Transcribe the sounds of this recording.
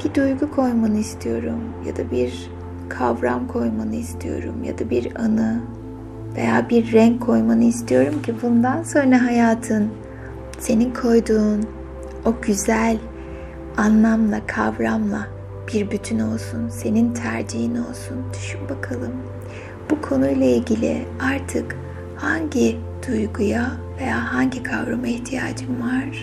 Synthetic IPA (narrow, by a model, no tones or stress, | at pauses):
b̥id̪ujɡukʰo̞jmanɯist̪ʰijo̞ɾṵmja̰d̪abiɾ | kʰavɾamkʰo̞jmanɯist̪ʰijo̞̰ɾṵmja̰d̪abiɾanɯ | ve̞̰jaːbiɾːɛɲkʰo̞jmanɯist̪ʰijo̞ɾumcʰibund̪anso̞nɾaɦajaːt̪ʰɯn | se̞ninkʰo̞jd̪uːn | o̞ɟyzælʲ | anlˠamlˠakʰavɾamlˠa | b̥iɾbyt̪ʰyno̞lˠsunse̞nint̪ʰæɾd͡ʒiɦino̞lˠsund̪yʃybakʰalˠɯm | b̥ukʰo̞nujlˠailʲɟilʲḭaɾt̪ʰɯk | haɲɟi | d̪̥ujɡuja | ve̞jaːɦaɲɟikʰavɾamaiht̪ʰija̰ːd͡ʒɯmvaɾ̥